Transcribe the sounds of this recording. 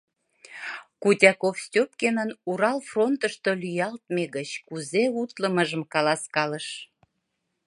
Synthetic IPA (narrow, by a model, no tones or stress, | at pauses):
kutʲɑkofst̪ʲop̚kenənuɾɑlfront̪əʃt̪olyjɑlt̪̚meɣət͡ɕkuzeut̪ləməʒəmkɑlɑskɑləʃ